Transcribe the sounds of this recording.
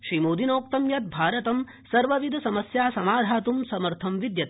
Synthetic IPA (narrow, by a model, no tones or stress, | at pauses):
ʃɾiːmoːd̪inoːk̚t̪ɐmjɐt̪̚bʱaːɾɐt̪ɐm | sɐɾʋɐʋid̪ʱɐsɐmɐsjaːsɐmaːd̪ʱaːt̪umsɐmɐɾt̪ʰɐmʋid̪jɐt̪